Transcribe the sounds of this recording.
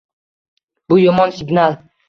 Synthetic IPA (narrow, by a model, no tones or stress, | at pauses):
b̥ʊjɒmɒnsɪɡnalˠ